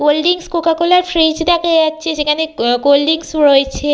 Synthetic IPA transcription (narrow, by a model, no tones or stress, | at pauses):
ɡolɖiŋskokakolaɾfɾid͡ʑd̪akad͡ʑatːɕʰeʃekʰaneɡolɖiŋsuɾojet͡ɕʰe